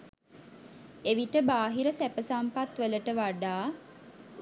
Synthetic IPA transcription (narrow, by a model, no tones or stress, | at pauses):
eʋiʈəbaːɦiɾəsæpəsampat̪ʋələʈəʋaɖaː